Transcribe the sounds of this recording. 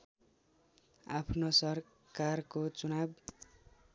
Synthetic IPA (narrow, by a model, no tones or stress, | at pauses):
a̰pʰnosʌr | karkot͡sunab